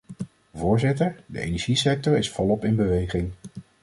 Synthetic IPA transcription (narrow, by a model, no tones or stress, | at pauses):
vʊːɹzɪtəɹdə̰ʔḛjnɛɹʒisɛk̚tɔɹɪsfɔlɔpɪnbəʋejχɪŋ